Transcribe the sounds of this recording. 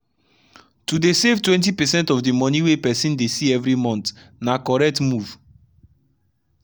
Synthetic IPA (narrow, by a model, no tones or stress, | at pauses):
tudesevtwɛ̃ntipɛsɛ̃ntɔvdemɔ̃niwepɛsĩndesiɛvɹimɔ̃nt | nakɔɹɛk̚tmuv̥